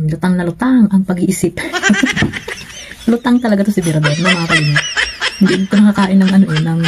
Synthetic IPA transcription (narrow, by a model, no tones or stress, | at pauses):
lʊt̪aŋnɐlʊt̪aŋʔɐŋpɐɡiʔiːsɪp̚ | lut̪aŋt̪ɐlɐɡat̪osibɛɾɐb̪ɛɾnɐmaːɾajnahnd̪id̪it̪omɐkakaːʔɪnːɐŋʔɐnoʔɛnɐŋ